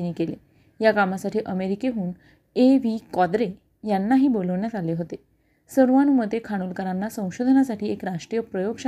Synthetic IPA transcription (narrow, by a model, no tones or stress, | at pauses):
niːkele | jakamasaʈʰiːʔəmeɾikeɦuːn | eʋiːkɔd̪ɾe | janːaɦiːboləʋɳjat̪aleɦot̪e | səɾʋanuməd̪ekʰaɽ̃uːlkəɾanːasə̃w̃ɕod̪ʱənasaʈiːekɾaʂʈɾijəpɾəjoɡɕa